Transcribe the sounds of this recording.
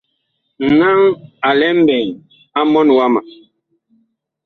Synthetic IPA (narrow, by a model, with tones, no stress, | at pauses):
n˨na˦ŋa˨lɛ˦m̩˦bɛ˨ŋ | a˦mɔ˦n˨wa˦ma˨